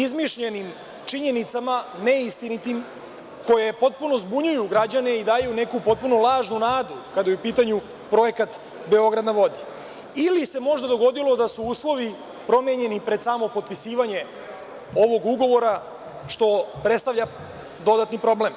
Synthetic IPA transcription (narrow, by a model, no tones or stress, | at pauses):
izmiʃʎe̞nim | t͡ʂiɲe̞nit̪samane̞ist̪init̪im | ko̞je̞po̞t̪̚puno̞zbuɲujuɡɾad͡ʑane̞id̪aːjune̞kupo̞t̪̚puno̞laːʒnunaːd̪ukad̪ajeupiːt̪aɲu | pɾo̞je̞kat̪ | be̞o̞ɡɾad̪naʋo̞d̪i | ilise̞mo̞ʒd̪ad̪o̞ɡo̞d̪ilo̞d̪asuuːslˠo̞ʋi | pɾo̞meɲe̞nipɾe̞d̪samo̞po̞t̪̚pisiːʋaɲe̞ | o̞ʋo̞ɡuɡo̞ʋo̞ɾa | ʃt̪o̞pɾet̪st̪aʋʎa | d̪o̞d̪at̪nipɾo̞ble̞m